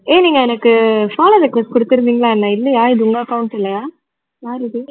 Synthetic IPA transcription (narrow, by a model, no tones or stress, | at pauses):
eːniːŋɡɐɛnɐkːɯfaːlɐðɐkːʋɐsʈkʊɽɯt̪ːɪɾɯnd̪iːŋɡɐɭlaːnːãːɪlːɐjaːɪðɯʊŋɡɐɐkɐʋʊɳsɪlːɐjaː | jaːɾɪðɯ